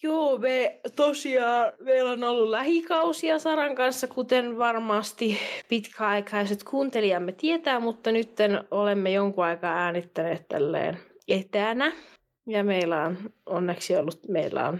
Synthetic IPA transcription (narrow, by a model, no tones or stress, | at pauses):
joːmeːt̪osiɑːʋeilonolːullæhikɑusiɑsɑɾɑŋkɑnsːɑkut̪enʋɑrmɑːst̪ipit̪kʰæɑikɑiset̪kʰuːnt̪eliɑmːet̪iet̪æːmut̪ːɑnyt̪ːenolemːejoŋkuɑikɑːæːnit̪ːæneːt̪t̪æ̰lːḛːnet̪ænæ | jɑmeilːˑæononːeksiolːut̪meilːæ̰o̰n